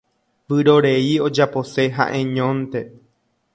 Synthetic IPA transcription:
ʋɨɾo̞ɾe̞io̞d͡ʒapo̞se̞ɦa̰ʔẽ̞ɲõnt̪e̞

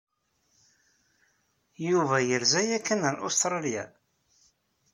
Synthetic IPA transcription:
juvæjəɾzæjækːənənʔo̰st̪ɾˤɑljæ̰

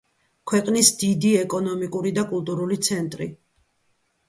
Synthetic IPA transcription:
kʰwɛqʼnisd̪id̪iɛkʼɔnɔmikʼuɾid̪akʼulˠt̪ʼuɾulit̪sʰɛnt̪ʼɾi

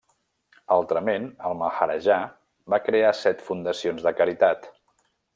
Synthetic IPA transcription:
alˠt̪ɾəmenəlˠməxəɾəʒa | bakɾeasɛt̪fund̪əsionzðəkəɾit̪at̪

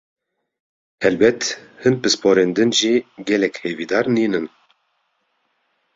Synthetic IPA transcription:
hɛlbɛt̪hɨnpɨspʰoːɾeːnd̪ɨnʒiːɡɛlɛkheːviːd̪ɑːɾniːnɨn

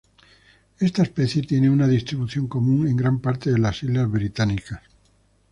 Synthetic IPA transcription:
e̞st̪aespeθje̞t̪je̞neunaðist̪ɾiβuθjo̞ŋko̞mũŋe̞ŋɡɾampaɾt̪eðelasilazβɾit̪anikas

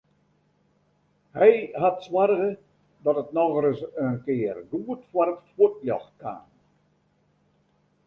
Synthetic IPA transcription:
hɛjhatswarɣə | dɔtətnɔɣəɾəsənkɪːərɡuətfwartfuət̚ljɔ̰xkʰa̰ːn

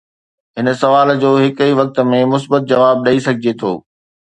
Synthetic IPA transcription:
ɦɪnsɐʋaːld͡ʑoːɦɪkiʋɐk̚t̪̆mẽmʊsbət̪̚d͡ʑɐʋaːb̚ɗɐisɐɡʱɪd͡ʑet̪ʰo̰ː

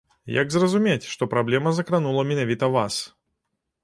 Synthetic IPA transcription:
ja̰ɡzrɐzumʲet͡sʲʂt̪ɔpɾablʲɛmɐzɐkɾanulˠɐmʲɛnavʲit̪ɐvas

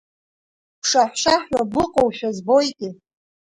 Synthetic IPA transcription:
pʰʂaħʃaħʷabʊqʼowʃᶣazbo̞jkʼɪ

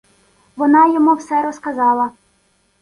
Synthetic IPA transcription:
ʋɔnɑjɔmuwsɛɾɔskɐzɑlˠɐ

